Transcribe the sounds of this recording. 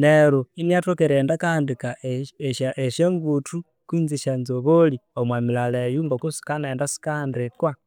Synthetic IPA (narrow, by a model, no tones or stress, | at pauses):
neɾuiniatokeɾendakaːndikaeʃaʔeʃjeŋɡutʰu | kwiːnziʃanzoβoliomwamilalejumbakusi̥kanendasi̥kaːndikwa